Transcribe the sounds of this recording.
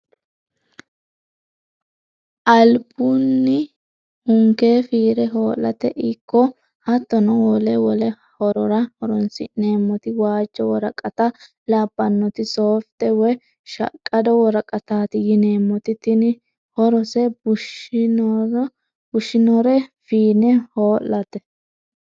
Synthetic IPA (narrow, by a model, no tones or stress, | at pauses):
ʔɐlbunːɪ | hʊŋkeːfiːɾɛɦoːlːɐ̰t̪ɛʔɪkːɔ | hɐt̪ːɔnɔwɔlɛwɔlɛ | hɔɾɔɾɐhɔɾɔnsɪne̞ːmːɔt̪ɪwaːt͡ʃːɔwɔɾɐkʼːɐt̪ɐ | labːɐnːɔt̪ɪsoːft̪ɛwɔj | ʃɐ̰kʼːɐd̪ɔwɔɾɐkʼɐt̪aːt̪ɪjɪne̞ːmːɔt̪ɪt̪ɪn | hɔɾɔsɛbʊʃn | bʊʃːɪnɔɾɛfiːnɛhoːlːɐt̪ɛ